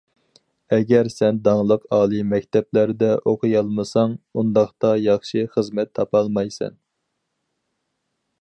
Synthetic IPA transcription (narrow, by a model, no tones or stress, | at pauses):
ɛɡʲɛɾsɛnd̪ɑŋlˠəqɑːlˠɨmɛkʲt̪ʰɛplæɾd̪ɛʔoqʰəjɑlˠmɨsɑŋund̪ɑχt̪ɑjɑχʃiχəzmɛt̪ʰːɑpɑlˠmɑjsɛ̰n